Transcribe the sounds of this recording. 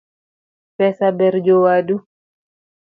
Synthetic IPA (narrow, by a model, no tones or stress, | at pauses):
pɛsabɛɾd͡ʒɔwadu